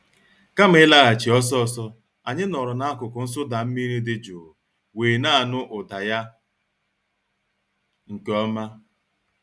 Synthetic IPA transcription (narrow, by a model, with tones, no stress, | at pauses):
ka˦m̩˨˦ɪ˦la˦ɣa˨t͡ʃi˨ɔ˦s̬ɔ˦ɔ˦˨sɔ˦ | a˨ɲɪ˦nɔ˨ɾʊ˨na˦a˦kʊ˨kʊ˨n̩˦s̬ʊ˦da˨m̩˦mi˦ɾi˦dɪ˦d͡ʒu˨ | weː˨na˦˨nʊ˦ʔʊ˨da˨ja˦ | ŋ̩˨ke˨ɔ˦ma˦